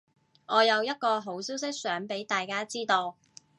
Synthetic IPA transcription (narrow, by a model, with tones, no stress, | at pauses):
ʔɔː˨˧jɐ˨˧wjɐ˥t̚kɔː˧ɦo˨˥wsiː˥ws̬ɪ˥k̚sœː˨˥ŋpe˨˥jt̪aː˨jkaː˥t͡siː˥t̪o˧w